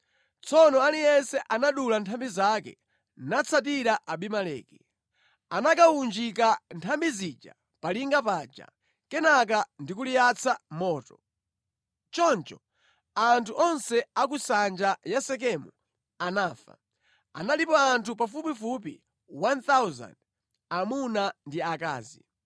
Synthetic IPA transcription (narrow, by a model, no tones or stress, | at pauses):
t͡sʰɔnɔalijɛsɛʔanaɗulantʰambizakɛ̰ | nat͡sʰat̬iɾaʔaɓimalɛ̰ːki | anakaund͡ʒik̬antʰambizid͡ʒa̰ | paliŋɡapaːd͡ʒa̰ | kɛnak̬andikulijat͡sʰamɔːtɔ | t͡ʃɔnt͡ʃɔ | antʰuʔɔnsɛakusand͡ʒajasɛk̬ɛmu | anaːfa̰ | a̰nalipɔantʰupafupifup̬ḭ | want̪awza̰nd | amunandiaka̰ːzḭ